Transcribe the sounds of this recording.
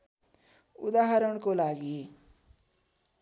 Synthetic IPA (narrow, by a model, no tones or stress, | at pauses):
ṵd̪aɦaɾəɳkolaɡie